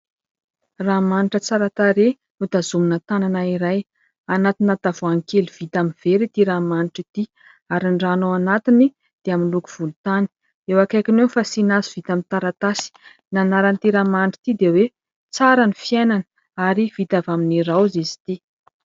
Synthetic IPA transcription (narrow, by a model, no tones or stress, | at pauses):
ramaniʈ͡ʂət͡saɾat̪aɾe | nut̪azuminət̪ananaiɾaj | anat̪inat̪avoaŋkeliv̥it̪aminv̥eɾit̪iɾamaniʈ͡ʂit̪i | aɾiɳɖ͡ʐanoanat̪ini | d̪̥eaminluku̥v̥ulut̪ani̥ | ewakajkinewfasinazuv̥it̪amint̪aɾat̪asi̥ | nanaɾant̪iɾamaniʈ͡ʂi̥t̪id̪ewe | t͡saɾanifiajnanə | aɾiv̥it̪avaminiɾawzizi̥t̪i